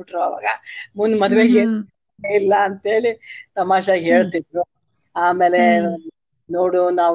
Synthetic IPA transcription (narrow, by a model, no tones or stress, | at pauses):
ʈɾoːʋa̰ːɡɐmunmɐd̪ʋeːɡe | ilːɐːnt̪ɦe̞ːɭit̪ɐmaːʃɐɦe̞ːɭt̪id̪ɾu | aːmeːle | noːɽunaːʋ